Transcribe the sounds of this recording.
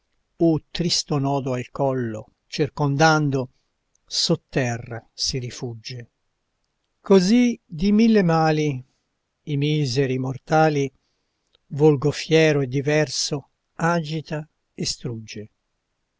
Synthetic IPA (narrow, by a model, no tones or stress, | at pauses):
ut̪ɾist̪onɔːd̪oalkɔlːo̰ | t͡ʃirkond̪and̪o | sut̪ːɛrːasiɾifud͡ʒːe | kozid̪imilːemaːliː | miːzɛɾimort̪aːli | volɡofjɛːɾoed̪ːivɛrso | ad͡ʒit̪a | est̪ɾud͡ʒːe